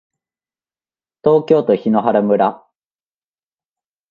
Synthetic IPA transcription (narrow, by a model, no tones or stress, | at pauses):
t̪o̞ːkʲo̞ːt̪o̞çino̞ɦaɾamɯ̟ɾa